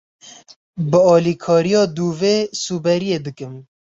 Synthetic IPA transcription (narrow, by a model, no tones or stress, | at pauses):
bɨɑːlikʰɑːɾijɑːd̪uːveːsuːbɛɾijeːd̪ɨkɨm